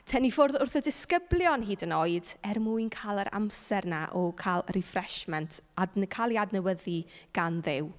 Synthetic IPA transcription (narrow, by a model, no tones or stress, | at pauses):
tʰɛnifʊrðʊrθɔdɪskəblˠjɔnɦiːdənɔɨdɛrmuɨnkʰaːlˠəɾʔa̰msɛrnaʔɔkʰalˠrɪfrɛʃmɛntʰadnkʰalˠiadnəwəðiɡ̥anðɪw